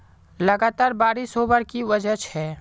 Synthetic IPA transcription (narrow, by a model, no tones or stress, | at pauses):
ləɡaːt̪aːɾbaːɾisobəɾkiʋəd͡ʒət͡ʃʰɛː